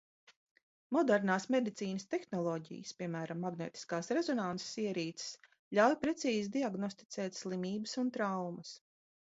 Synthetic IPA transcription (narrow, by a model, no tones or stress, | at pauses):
mɔd̪ɛɾnaːsmed̪it̪siːnəst̪exnɔlˠɔːɟḭjə̰spʲiɛmæːɾamːaɡnɛːt̪i̥skaːsɾɛzɔnanse̥siɛɾiːt̪ss | lʲawjpɾɛt̪siːzid̪iaɡnɔst̪i̥t̪sɛːt̪ʲslˠimʲiːbəsunt̪ɾawmɐs